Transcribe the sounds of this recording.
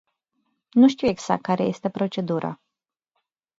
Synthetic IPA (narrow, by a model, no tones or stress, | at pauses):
nuʃt̪iweɡz̥akt̪̚kːaɾeje̞st̪e̞pɾo̞t͡ʃe̞d̪uɾʔə̰